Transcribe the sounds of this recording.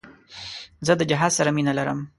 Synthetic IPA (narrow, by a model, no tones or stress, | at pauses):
zəd̪əd͡ʒaɦɑzsaɾaminalaɾə̰m